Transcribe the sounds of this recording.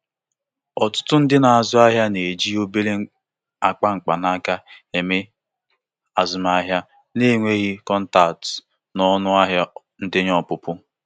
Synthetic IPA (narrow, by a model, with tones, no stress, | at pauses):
ɔ˨tʊ̥˦tʊ˦n̩˦dɪ˦na˨a˨zʊ˦a˦ɦja˦ne˨d͡ʒi˦o˦be˦le˦ | a˨k͡pa˦ŋ͡m̩˨k͡pa˨na˦ka˦e˨me˦ | a˨zʊ˨ma˦ɦja˦ | ne˦˨ŋʷe˦ɣi˦kɔ˦n̩˦ta˨t | nɔ˦nʊ˦a˦ɦja˦ | n̩˦dɪ˦ɲɔ˦˨pʊ˦pʊ˦